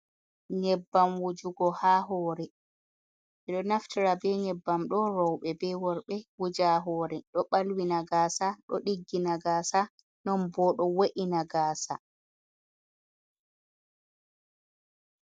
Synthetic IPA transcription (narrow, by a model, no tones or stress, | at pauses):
ɲɛbːamwud͡ʒuɡɔhaːɦɔːɾɛ | ɛɗɔnaftiɾabɛɲɛbːamɗɔɾɔwɓɛbɛwɔɾɓɛwud͡ʒaɦɔːɾɛɗɔɓalwinaɡaːsaɗɔ̰ɗiɡːinaɡaːsa | nɔnbɔɗɔwaʔinaɡaːsa̰